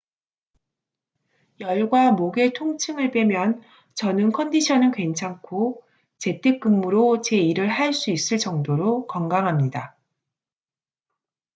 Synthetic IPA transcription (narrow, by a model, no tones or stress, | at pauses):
jʌɭɡwamoɡe̞tʰoŋt͡ɕʰɯŋɯɭp͈we̞mjʌn | t͡ɕʌnɯnkʰʌndiɕʰʌnɯnkwe̞nt͡ɕʰaŋkʰo | t͡ɕe̞tʰe̞k͈̚ɯmːɯɾot͡ɕe̞iɾɯɭɦaɭs͈uis͈ɯɭt͡ɕʌŋdoɾokʌŋɡaŋɦamɲida